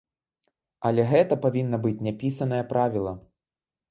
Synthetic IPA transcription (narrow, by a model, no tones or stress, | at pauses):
ɐlʲɛɣɛt̪ɐpavʲinːɐbɨt͡sʲnʲapʲisɐnɐjɐpɾʔavʲilˠɐ